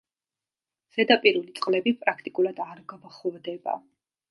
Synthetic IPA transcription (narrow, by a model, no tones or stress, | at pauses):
z̥ɛd̪apʼiɾulit̪sʼqʼlɛbipʼɾakʰt̪ʼikʼulˠad̪aɾɡabaχɔvd̪ɛba̰